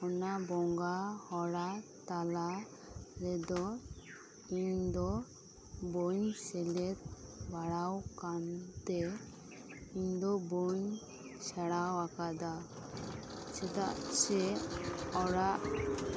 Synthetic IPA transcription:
ɔnabɔŋɡahɔɽat̪ala | ɾɛd̪ɔ | iɲd̪ɔ | boɲsɛlɛt̪̚baɽawkant̪ɛ | iɲd̪ɔboɲ | saɽawakad̪a | sɛt̪aʔt͡ʃɛ | ɔɽaʔ

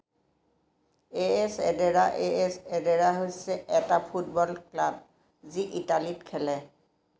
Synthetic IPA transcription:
eɛsɛdɛɹaʔeɛsɛdɛɹaɦojsɛʔɛtapʰut̚bɔlklab̚ | ziʔitalitkʰɛlɛ

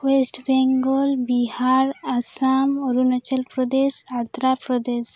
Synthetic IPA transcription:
wesʈbɛŋɡɔlbiɦaɾasamoɾunat͡ʃalpɾɔd̪esat̪ɾapɾɔd̪es

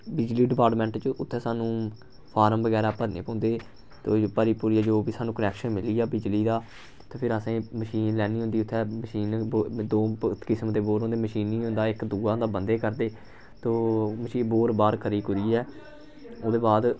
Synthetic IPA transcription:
bɪd͡ʒliːɖɪpaːɾʈmɛ̃ːɳʈt͡ʃəʊt̪ʰːɛːsaːnũː | pʰaːɾəmbəɡɛːɾaːpəɾnḛːpãːnd̪eː | t̪oːpəɾiːpuːɾiːɛːd͡ʒoːbiːsaːnũːkənɛːkʃənmɪliːaːbɪd͡ʒliːd̪aː | t̪oːpʰɪɾəsẽːməʃiːnlɛːniːɦʊ̃nd̪iːʊt̪ʰːɛːməʃiːnd̪oːkɪsəmd̪eːboːɾɦõːnd̪eːməʃiːniːɦõnd̪aːɪkd̪uːaːnd̪aːbənd̪eːkəɾd̪eː | t̪oːməʃiːboːɾbaːɾkʰəɾiːkʊɾiːɛː | oːd̪eːbaːd̪

